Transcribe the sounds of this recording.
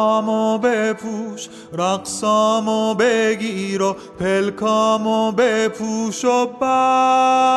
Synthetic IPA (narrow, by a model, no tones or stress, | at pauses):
mobepʰuʃ | ɾaksɔmobeɡiɾo | pʰelkʰɔmobepʰuʃopa